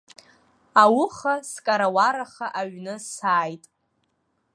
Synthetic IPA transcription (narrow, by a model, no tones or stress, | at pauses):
awʊχaskʼaɾawaɾaχaʔaɥnɨsaːjtʼ